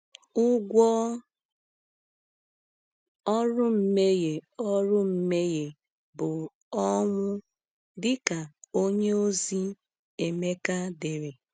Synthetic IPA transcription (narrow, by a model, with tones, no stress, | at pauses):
ʊ˦ɡʷɔ˦ | ɔ˦ɾʊ˦m̩˦me˦je˨ɔ˦ɾʊ˦m̩˦me˦je˨ | bʊ˨ | ɔ˦ŋʷʊ˦ | dɪ˦ka˨o˦ɲe˦o˦zi˦ | e˨me˦ka˦de˨ɾe˨